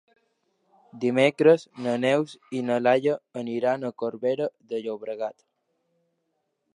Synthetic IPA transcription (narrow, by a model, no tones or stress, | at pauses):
d̪imɛkɾəznənɛwsinəlaʎəəniɾanəkoɾβɛɾəðəʎoβɾəɣat̪